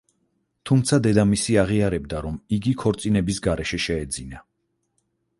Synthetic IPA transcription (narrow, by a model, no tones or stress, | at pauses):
t̪ʰumt̪sʰad̪ɛd̪amisiaʁiaɾɛbd̪aɾɔmiɡikʰɔɾt̪sʼinɛbisɡaɾɛʃɛʃɛːd̪zina